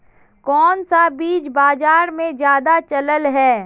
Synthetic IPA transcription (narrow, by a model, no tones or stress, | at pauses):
kɔːnsabiːt͡ʃbaːd͡ʒaːɾmẽd͡ʒjaːd̪at͡ʃɐləlɦɛː